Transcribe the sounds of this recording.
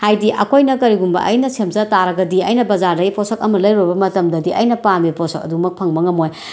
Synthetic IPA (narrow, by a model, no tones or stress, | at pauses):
hajdiʔɐkʰojnɐkɐɾiɡumbɐ̰ʔɐ̰jnɐsemzɐtaɾɐɡɐdiɐjnɐbɐzaɾdɐɡiposɐk̚ɐmɐlɐjɾubɐmɐtɐmdɐdiʔɐjnɐpamiposɐk̚ɐ̰dumɐk̚pʰɐŋmɐŋɐmoj